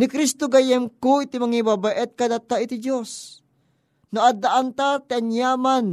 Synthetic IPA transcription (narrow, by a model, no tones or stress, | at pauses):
nɪkɾist̪oɡajɛmkoit̪imɐŋibabaʔɛt̪̚kɐd̪at̪ːaʔit̪id͡ʒos | noʔad̪aʔant̪at̪ianjaːman